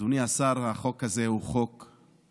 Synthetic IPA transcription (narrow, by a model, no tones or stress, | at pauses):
uniasaʁhaχo̞kazehuχo̞k